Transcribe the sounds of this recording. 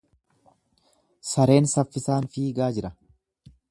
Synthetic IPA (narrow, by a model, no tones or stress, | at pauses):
sɐɾe̞ːnsɐfːɪsaːnfiːɡaːd͡ʒɪɾɐ